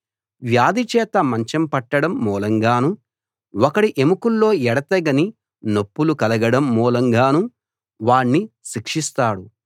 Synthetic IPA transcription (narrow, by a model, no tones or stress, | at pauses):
ʋjaːd̪it͡ʃɛːt̪ɐmɐɲt͡ʃɐmpɐʈːɐɽɐmːɔːlɐŋɡaːnu | ɔkɐɽiʔemukulːo̞ːɛɽɐt̪ɐɡɐni | nopːulukɐlɐɡɐɽɐmːɔːlɐŋɡaːnu | ʋaːɳːiʃikʂist̪aːɽu